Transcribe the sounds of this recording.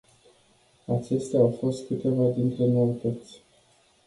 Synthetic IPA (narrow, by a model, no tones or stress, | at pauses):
at͡ʃe̞st̪eaawfo̞st̪̚kɨt̪e̞vad̪int̪ɾe̞no̞it̪ət̪sʲ